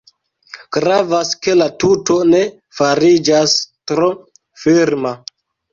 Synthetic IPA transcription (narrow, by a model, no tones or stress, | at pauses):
ɡ̥ɾavaske̞latutone̞ | faɾid͡ʒastɾo | fiɾma